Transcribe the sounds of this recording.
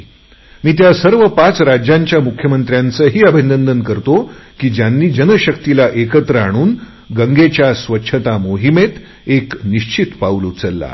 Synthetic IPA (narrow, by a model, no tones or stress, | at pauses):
miːt̪jasəɾʋəpat͡sɾad͡ʑjaɲt͡ɕjamukʰjəmənt̪ɾjant͡səːɦiːəbʱinənd̪ənkəɾt̪okiːd͡ʑjanːiːd͡ʑənəɕək̚t̪ilaʔekət̪ɾəaɽ̃uːn | ɡəŋɡet͡ɕjasʋətːɕʰət̪amoɦimet̪ | ekniɕt͡ɕit̪paʋluːt͡səlːa̰